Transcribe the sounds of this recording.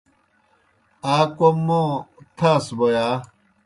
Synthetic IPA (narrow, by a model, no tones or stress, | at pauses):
aːkomːõt̪ʰaːsbojaː